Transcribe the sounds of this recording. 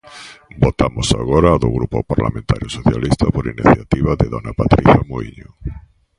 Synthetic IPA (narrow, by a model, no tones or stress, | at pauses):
bot̪amʊsa̰ɣɔɾaːðʊɣɾupopaɾla̰mẽnt̪aɾjosoθjalist̪ɐpoɾiniθjat̪iβaðɪðɔnapat̪ɾiθjamoiɲʊ